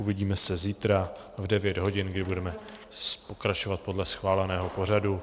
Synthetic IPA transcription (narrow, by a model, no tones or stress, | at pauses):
uvɪɟiːmɛsɛziːt̪ɾa | vdɛvjɛd̪ɦo̞ɟɪnɡdɪbudɛmɛ | po̞kɾat͡ʃo̞vat̪̚po̞dlɛsxvaːlɛnɛːɦo̞po̞r̝adu